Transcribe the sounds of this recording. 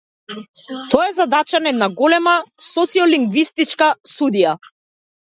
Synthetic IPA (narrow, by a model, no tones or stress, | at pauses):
t̪ɔjɛzad̪at͡ʃanɛd̪naɡɔlɛmasɔt̪siɔliŋɡvist̪it͡ʃkasud̪ija